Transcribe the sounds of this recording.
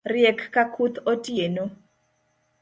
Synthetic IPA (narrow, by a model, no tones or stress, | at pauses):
rjɛkːakʰut̪otieno